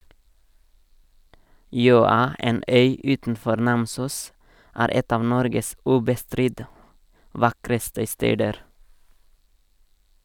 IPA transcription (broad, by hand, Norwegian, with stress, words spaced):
ˈjøːɑ ˈeːn ˈœʏ ˈʉːtn̩ˌfɔɾ ˈnɑmsuːs ˈæːɾ ˈɛt ˈɑːʋ ˈnɔɾɡəs ˈʉːbəˌstɾɪt ˈʋɑkɾəstə ˈsteːdəɾ